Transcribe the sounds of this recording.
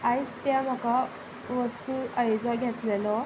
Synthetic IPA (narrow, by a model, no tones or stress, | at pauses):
ajst̪jam̤ɔka | ʋəst̪uəjd͡zɔɡʱɛt̪lɛlɔ